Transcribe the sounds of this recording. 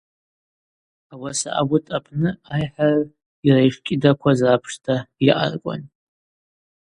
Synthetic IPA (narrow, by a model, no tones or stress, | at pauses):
awasa̰ʔa̰ɡʷʊtʰʼapʰʼnɨajħar | irajʂkʲʼɪdakʷʰazapʰʂtʰaiʔa̰rkʷʼa̰n